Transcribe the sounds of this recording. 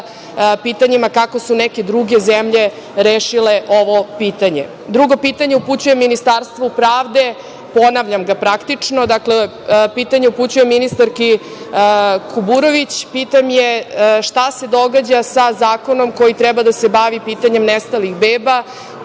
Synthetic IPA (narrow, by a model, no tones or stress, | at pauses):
pit̪aɲimakako̞suneke̞d̪ɾuɡe̞zemʎe | ɾeːʃileʔo̞ʋo̞piːt̪aɲḛ | d̪ɾuɡo̞pit̪aɲe̞uput͡ɕuje̞mːinist̪aɾst̪ʋopɾaːʋd̪e̞ | po̞naʋʎamɡapɾakt̪it͡ʂnod̪akle | piːt̪aɲeuput͡ɕujemːinist̪aɾki | kʰubuɾo̞ʋit͡ɕpit̪amjeʃt̪ase̞d̪o̞ɡad͡ʑasazaːko̞no̞mko̞jit̪ɾɛbad̪asebaʋipiːt̪aɲe̞mnest̪alixbeːba